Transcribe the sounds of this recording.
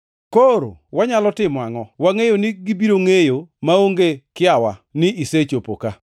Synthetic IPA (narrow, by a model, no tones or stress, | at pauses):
koɾo̰waɲalɔtɪmɔaŋɔwaŋejoniɡibiɾoŋejomaoŋɡekɪawanɪʔiset͡ʃopoka